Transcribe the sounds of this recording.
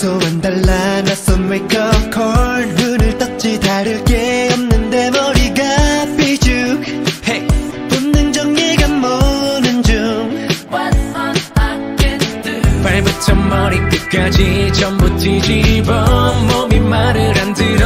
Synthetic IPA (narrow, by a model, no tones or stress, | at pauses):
sʰomand̪aɭːanas͈ʌnwekʌfkʰʌɭdɡɯnɯɭt͈ʌk̚t͡ɕidaɾɯɭkeʌmnɯnde̞mʌɾiɡapid͡ʑuk̚he | punnɯŋd͡ʑʌŋɲeɡanmonɯnd͡ʑuŋw | paɭbɯt͡ɕʌmmʌɾik̚k͈et̚k͈ad͡ʑit͡ɕʰʌmbut͡ɕ͈id͡ʑibʌmomimːaɾɯɾandɯɾ